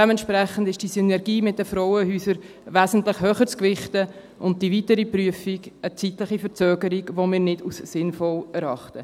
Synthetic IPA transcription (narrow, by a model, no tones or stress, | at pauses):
ɛmɛntʃpɾɛχən̩dɪʃd̥isynɛɾɡiːmɪt̚dəfɾɔʊəhyːsəɾ | væːzn̩tləχhøːχəɾt͡skvɪχtə | ʔʊnt̚d̥ivitəɾipryəfiɡət͡sitləχifəɾt͡søːɡəɾiɡʋomɪːɾnɪdusːɪnfɔlɛɾɑχtə